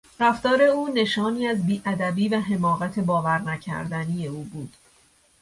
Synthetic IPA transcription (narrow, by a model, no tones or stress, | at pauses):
ɾæft̪ɒːɾe̞uːne̞ʃɒːniːæzbiːʔæd̪æbiːvæɦe̞mɒːɣæt̪ʰe̞bɒːvæɾnæcʰæ̰ɾd̪ænije̞uːbuːd̪̥